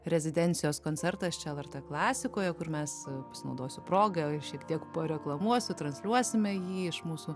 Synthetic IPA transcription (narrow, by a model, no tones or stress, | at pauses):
ɾʲɛzʲɪd̪ʲɛnʲtt͡s̪ʲɪjoːskoːnʲt͡s̪ʲɛrt̪ɐst͡ʃʲɛɛlˠɛrt̪eklˠɑːsʲɪkoːjɛkʊrmʲɛspɐsʲɪnɐʊd̪oːsʲʊpɾoːɡɐʃʲiɛkt̪ʲiɛkpɐɾʲɛklˠɐmuɔsʲʊt̪ɾɐnsʲlʲuɔsʲɪmʲɛjiːɪʃmuːsuː